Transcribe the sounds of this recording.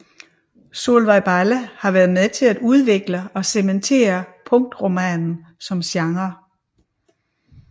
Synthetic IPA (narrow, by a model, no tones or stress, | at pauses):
so̝̰ːlʋɑ̈ɪb̥ɑləhɑ̈ʋæɐð̩ˠmeðˠt͡sʰe̝læd̥uð̞ˠʋe̝ɡ̥ləɒ̽sement͡sʰe̝̰ːɐpʰɔ̽ŋ̰̚d̥ʁo̝mɛnn̩ | sɒ̽mɕjɑ̈ŋʁɐ